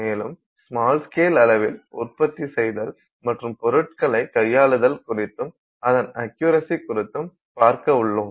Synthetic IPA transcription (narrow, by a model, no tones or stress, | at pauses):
meːlɯm | smaːlskeːlɐlɐʋɪlʊ̰rpɐt̪ːisɛjðɐl | mɐʈrɯmpɔɾɯʈ̚kɐɭɐɪkɐjːaːɭɯðɐlkʊrɪt̪ːɯm | ɐðɐnɐkjuːɾɐsikʊɾɪt̪ːɯm | paːɾkɐʊɭːɯm